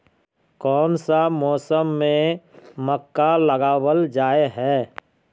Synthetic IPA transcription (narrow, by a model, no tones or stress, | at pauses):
kɔːnsamɔːsəmːẽməkːaləɡaːwəld͡ʒaːeɦɛː